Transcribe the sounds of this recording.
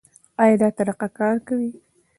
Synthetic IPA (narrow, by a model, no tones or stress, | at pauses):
ɑjɑd̪ɑt̪aɾaqakɑɾkawi